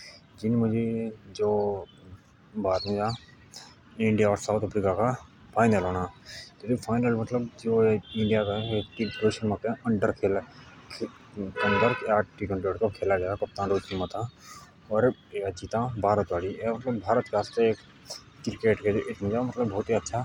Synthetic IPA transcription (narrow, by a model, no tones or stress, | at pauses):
d͡ʒɪnmʊd͡ʒʱed͡ʒoː | baːt̪mẽd͡ʒa | ɪ̃ɳɖijaɔːɾsaːʊt̪ʰəpɾikaka | pʰaːɪnəlɦoːnat̪et̪ipʰaːɪnəlmɐt̪ləbd͡ʒoːɪɳɖijakaʈiɖoːʃənmakẽʔɐ̃ɳɖəɾkʰeːlkʰ | kəɳɖəɾkaːʈʈikə̃ɳʈoːɖkakʰeːlad͡ʒaːakɐp̚t̪ãːnɖoːʃənmãt̪ã | ɔːɾ | eəʃʰit̪ãbʱaːɾət̪ʋaːliemɐt̪ləbːʱaːɾət̪keɦaːst̪eeːk | kɾɪkeːʈkeoʔɪt̪ʰmẽd͡ʒamɐt̪ləbːʱɔːt̪iɐtːʃʰa